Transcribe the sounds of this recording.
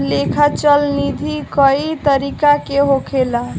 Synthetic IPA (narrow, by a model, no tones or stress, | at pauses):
lekʰat͡ʃəlnid̪ʱikəit̪əɾikakeɦokʰela